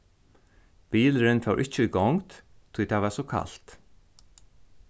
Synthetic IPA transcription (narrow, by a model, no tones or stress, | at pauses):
b̥iːlɾɪnfœwɾʔɪt͡ʃːəiɡɔŋt̪ | t̪ʰujt̪ʰaʋasɔkʰa̰lt̪